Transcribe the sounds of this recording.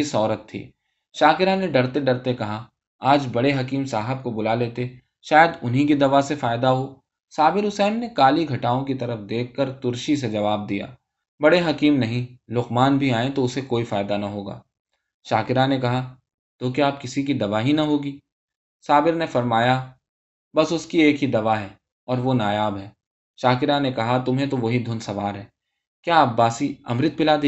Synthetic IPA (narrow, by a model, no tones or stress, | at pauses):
isɔːɾət̪ʰːḭː | ʃaːkɪɾaneɖɐɾt̪eɖɐɾt̪ekɐɦa | aːd͡ʒbɐɽeɦɐkiːmsaːɦəb̚kobʊlaleːt̪e | ʃaːjəd̪ʊnɦĩkid̪ɐʋasefaːɪd̪aɦoː | saːbɪɾʊsɛːmnekaːliɡʱɐʈaːõkit̪ɐɾəfd̪eːkʰːɐɾt̪ʊɾʃis̬ed͡ʒɐʋaːb̚d̪ija̰ː | bɐɽeɦɐkiːmnɐɦĩlʊqmaːnbʱiaːẽt̪oʊsekoːifaːɪd̪anɐɦoːɡa̰ː | ʃaːkɪɾanekɐɦa | t̪okjaːp̚kɪsik̬id̪ɐʋaːɦinɐɦoːɡiː | saːbɪɾnefɐɾmaːja | bɐsʊskieːkɦid̪ɐʋaɦɛː | ɔːɾʋonaːjaːbɦɛː | ʃaːkɪɾanekɐɦat̪ʊmɦẽt̪oʋɐɦid̪ʱʊnsɐʋaːɾɦɛː | kjaːɐbːaːsiɐ̰mɾɪt̪̚pɪlaːd̪eː